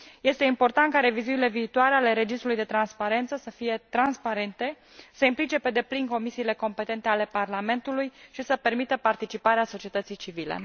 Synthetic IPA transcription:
je̞st̪e̞impo̞rt̪ant̪kaɾe̞vizunile̞viːt̪owaɾeale̞ɾe̞d͡ʒist̪ɾulujd̪e̞t̪ɾanspaɾe̞nt̪səsəfijet̪ɾanspaɾe̞nt̪e̞ | səimplit͡ʃe̞pe̞d̪e̞plinko̞misiːle̞ko̞mpe̞t̪e̞nt̪e̞ale̞parlame̞nt̪ulujʃisəpe̞rmit̪əpart̪it͡ʃipaɾeaso̞t͡ʃie̞t̪ət̪sijt͡ʃivilḛ

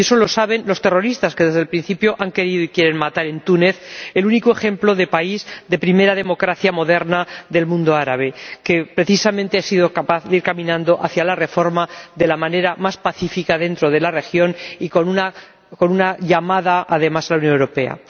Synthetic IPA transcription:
ieso̞lo̞saβe̞nlo̞st̪e̞ro̞ɾist̪askeðe̞zð̞elpɾĩn̟θipjo̞ʔaŋke̞ɾiðoikje̞ɾe̞nmat̪aɾe̞nt̪une̞θelunikoe̞xẽ̞mplo̞ðe̞paizd̪e̞pɾime̞ɾaðe̞mo̞kɾaθjamo̞ðe̞ɾnaðe̞lmũnd̪o̞aɾaβ̞e̞ke̞pɾe̞θisamẽnt̪easiðo̞kapaθðeiɾkamĩnãnd̪oʔaθjalare̞fo̞ɾmaðe̞lamãne̞ɾamaspaθifikaðe̞nt̪ɾo̞ðe̞lare̞xjonikonuna | ko̞nunaʎamaðaaðe̞masalauwnjonewɾope̞a̰

